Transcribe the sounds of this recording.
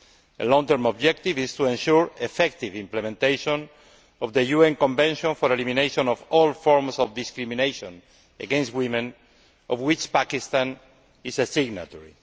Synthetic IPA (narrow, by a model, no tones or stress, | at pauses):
əlɔ̃ŋt̪əɾmob̚d͡ʒɛk̚t̪ivist̪uẽnʃuɹefɛk̚t̪ivĩmplemẽnt̪ejʃõn | ɔvðejuɛ̃ŋkõɱbɛ̃nʃõnfoɾelimĩnejʃõnɔfɔlfɔɾmsɔvd̪iskɾimĩnejʃõn | eɡɛ̃nstwimẽn | ɔvwit͡ʃpakist̪ãn | isesiɡna̰t̪ɔɹḭ